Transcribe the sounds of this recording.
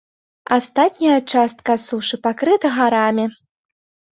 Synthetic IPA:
ast̪at̪ʲnʲɐjɐt͡ʂast̪̚kasuʂɨpakɾɨt̪ɐɣaɾamʲi

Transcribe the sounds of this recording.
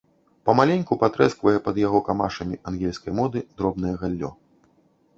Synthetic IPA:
pɐmalʲenʲkupat̪ɾɛskvɐjɛpɐd̪jaɣɔkama̰ʂɐmʲiʔanɣʲelʲskɐjmɔd̪ɨd̪ɾɔbn̪ɐjɛɣalʲːɔ̰

